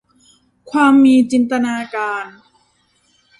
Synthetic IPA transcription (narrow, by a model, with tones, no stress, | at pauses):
kʰwaː˧mːiː˧t͡ɕi˧nt̪a˧naː˧kaː˧n